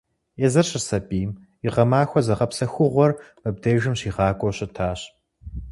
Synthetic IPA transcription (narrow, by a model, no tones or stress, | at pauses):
ɛzɐrɕɪrsɐpʼiːm | iʁɐmaːxʷɔzɐʁɐpsɐxʷʊʁʷɔr | mɨb̚deːʒɨmɕiːʁɑːkʷʼɔɕɐtʰaːɕ